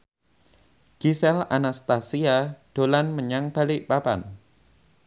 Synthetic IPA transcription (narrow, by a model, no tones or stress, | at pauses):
ɡ̥isɛlanast̪asiaɖ̥o̤lanməɲaŋb̥aliʔpapa̰n